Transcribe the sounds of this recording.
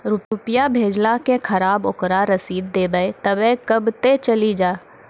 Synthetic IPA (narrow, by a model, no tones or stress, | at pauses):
ɾʊʊpijabʱeːd͡ʒlakekʰɐɾaːbokɾaɾəsiːd̪ːeːbəet̪əbẽkəbt̪et͡ʃəlid͡ʒaː